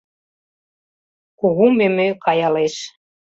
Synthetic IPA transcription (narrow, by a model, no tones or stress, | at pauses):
koɣumemøkɑjɑleʃ